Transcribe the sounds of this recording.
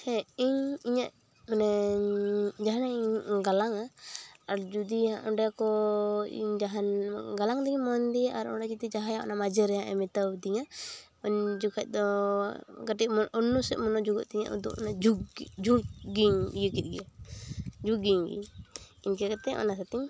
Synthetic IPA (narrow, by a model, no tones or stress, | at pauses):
ɛiɲiɲaʔ | manɛ | d͡ʒaɦanaiɲɡalaŋaaɾd͡ʒud̪iaʔɔɳɖɛjakɔḭɲd͡ʒaɦanɡalaŋd̪iɲmɔnd̪iʔaɾɔ̰ɖat͡ʃit̪id͡ʒaɦajaʔɔ̰namad͡ʒəɾɛjaʔɛ̰mɛt̪awd̪iɲa | ɔɲd͡ʒukʰac̪̚ˀd̪ɔ | ɡaʈiːnːɔsɛʔ̪̚mɔnɔd͡ʒuɡɔʔt̪iɲa̰ʔṵd̪ṵkɔ̰nad͡ʒud͡ʒuɡiɲjukit̪̚ɡɛa | d͡ʒuɡiɲɡḭɲiɲkɛkat̪ɛʔɔ̰nasat̪iɲ